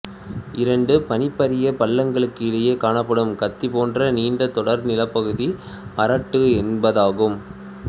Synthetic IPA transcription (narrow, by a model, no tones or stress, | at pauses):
ʔɪɾɐɳɖɯpɐnɪpːɐɾɪjɐpɐɭːɐŋɡɐɭɯkːɯɪlɐjeːkaːnɐpːɐɽɯmkɐt̪ːipoːndrɐniːɳɖɐt̪ːɔɽɐɾnɪlɐpːɐɣɯði | mɐɾɐʈːɯɛnbɐðaːɣɯm